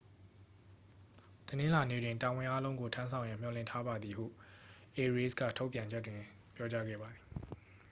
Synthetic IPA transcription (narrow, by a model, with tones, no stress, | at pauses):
tənɪ̃˦la˨nḛ˦˨dwɪ̃˨nta˨wɪ̃˨ʔa˦lõ˦ʊ̃ŋɡo˨tʰã˦nsʰã˨ʊ̃jã˨m̥jɔ˨lɪ̰̃˦˨ntʰa˦ba˨d̪ði˨hṵ˦˨ʔe˨ɹi˦skä̰˦˨tʰo˦ʊpjã˨ɲd͡ʑɛ˦tːwɪ̃˨ | pjɔ˦t͡ɕa˦ɡɛ̰˦˨ba˨d̪i˨